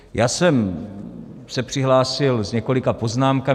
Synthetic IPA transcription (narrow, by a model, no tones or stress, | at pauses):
jaːsɛm | sɛpr̥ɪɦlaːsɪlzɲɛko̞lɪkapo̞znaːmka